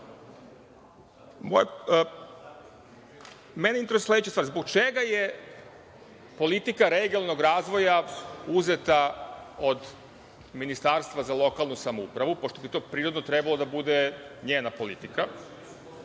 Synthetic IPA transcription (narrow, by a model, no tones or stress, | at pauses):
mo̰j | meneineesle̞d̪et͡ɕast̪ʋaɾzbo̞ɡ̚t͡ʃeɡaje | po̞lit̪ikaɾeɡialˠno̞ɡɾaːzʋo̞jauzet̪ao̞d̪ | minist̪aːɾst̪ʋazalˠo̞kalˠnusamoṵpɾaʋupoʃt̪o̞bit̪o̞ːpɾiːɾod̪not̪ɾebalod̪abud̪eɲeːnapo̞lḭt̪ika